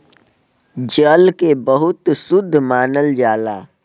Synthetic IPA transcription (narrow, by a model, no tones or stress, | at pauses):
d͡ʒəlkebəɦʊt̪sʊd̪ʱːmaːnəld͡ʒaːla̰ː